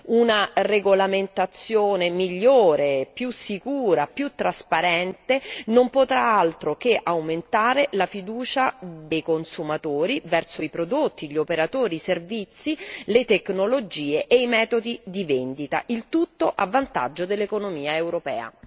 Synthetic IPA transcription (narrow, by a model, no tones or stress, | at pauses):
unareɡolament̪at̪sːjoːnemiʎːoːɾepjusikuːɾapjut̪ːɾaspaɾɛnt̪enompot̪ɾaalt̪ɾokeʔawment̪aːɾelafid̪uːt͡ʃad̪ejkonsumat̪oːɾivɛrsoipɾod̪ot̪ːiʎiopeɾat̪oːɾiservit̪sːilet̪eknolod͡ʒiːeʔejmɛːt̪od̪id̪ivend̪it̪a̰ʔilt̪ut̪ːoʔavːant̪a̰d͡ʒːod̪elːekonomiːaewɾopɛ̰ːa̰